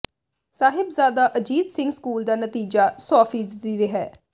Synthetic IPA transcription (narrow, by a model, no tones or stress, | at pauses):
saːɦɪbzaːd̪aːʔəd͡ʒiːd̪sɪ̃ŋɡskuːld̪aːnət̪iːd͡ʒaːsɔːfʰiːzd̪iːɾɪɦɛː